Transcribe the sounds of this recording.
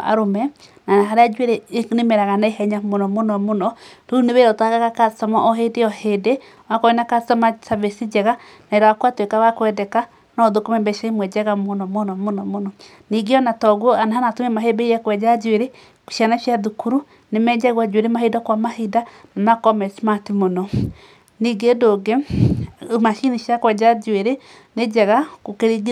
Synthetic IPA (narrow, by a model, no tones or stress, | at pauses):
a̰ɾomɛ | nanaɦaɾead͡ʒweɾenemɛɾaɣanaeɦɛɲamonɔmonɔmonɔɾoneβeɾɔtaɣaɣakasamaʔɔɦedeɔhede | wakɔinakasamasaβesid͡ʒɛɣa | naeɾawakwatwekawakwɛdɛka | nɔðokomɛmbɛʃaimwɛd͡ʒɛɣamonɔmonɔmonɔmonɔ | niɡeɔnatɔɣwɔanaɦanatomɛmaɦebeiɾɛkwɛd͡ʒad͡ʒweɾe | ko̥ʃianaʃjaðukuɾu | nemɛd͡ʒaɣwad͡ʒweɾemaɦedakwamahidanamakɔmɛsmatimonɔ | niɡedoɡe | maʃiniʃjakwɛd͡ʒad͡ʒweɾe | ned͡ʒɛɣakokeɾiɡ